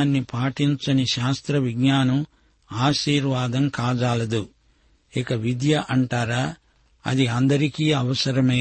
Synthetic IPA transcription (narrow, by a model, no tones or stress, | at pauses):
nːipaːʈiɲt͡ʃɐniʃaːst̪ɾɐʋiɡɲaːnɐm | aːʃiːɾʋaːd̪ɐmkaːd͡ʒaːlɐd̪u | ikɐʋid̪jɐʔɐɳʈaːɾaː | ɐ̰d̪iɐnd̪ɐɾikiːɐʋɐsɐɾɐmeː